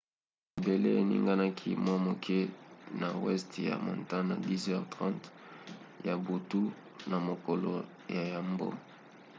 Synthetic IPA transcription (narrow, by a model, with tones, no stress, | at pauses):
be˨lḛ˦˨nḭ˦ŋɡa˦na˦kʰi˦mwa˦mo˨kʰe˦na˨wɛ˦stja̰˨mo̰˨nta˦na˨di˦zɛ˦ʁtʁã˦nt | ja˨bu˨tu˦ | na˨mo˨ko˨lo˨ | ja˨ja˨mbo̰˦